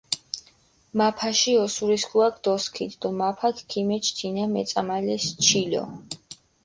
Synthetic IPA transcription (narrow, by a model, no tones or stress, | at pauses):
mapʰaʃiɔsuɾiskʰuakʰd̪̥ɔskʰit̪ʰd̪ɔmapʰakʰkʰimɛt͡ʃʰt̪ʰinamɛ̰t̪sʼamalɛst͡ʃʰilɔ̰